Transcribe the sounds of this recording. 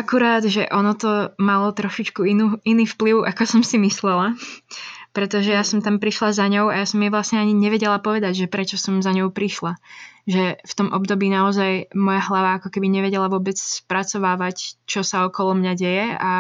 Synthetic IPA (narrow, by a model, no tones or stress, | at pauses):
akuɾaːd̪ʒɛʔɔnɔt̪ɔmalɔt̪ɾɔʃit͡ʃkuinuiniːfpliʊʔakɔsɔmsimislɛla | pɾɛt̪ɔʒɛjasɔmt̪ampɾiʃlazaɲɔʊajasɔmɛʋlasɲɛaɲiɲɛʋɛɟɛlapɔʋɛd̪aɟʒɛpɾɛt͡ʃɔsɔmzaɲɔʊpɾiʃlaʒɛft̪ɔmʔɔbd̪ɔbiːnaɔzajmɔjaɦlaʋaakɔkɛbiɲɛʋɛɟɛlaʋʊɔbɛt͡sspɾat͡sɔʋaːʋact͡ʃɔsaɔkɔlɔmɲaɟɛjɛa̰